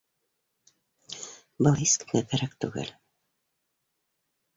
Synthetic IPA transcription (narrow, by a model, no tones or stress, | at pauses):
bɤlˠiskɘ̥̆nækæɾæk̚t̪ʉ̰ɡɘ̰l